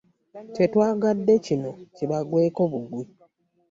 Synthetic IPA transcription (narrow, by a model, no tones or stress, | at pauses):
tetwaːɡadːe̞cino̞ciβaɡweːko̞βuɡwi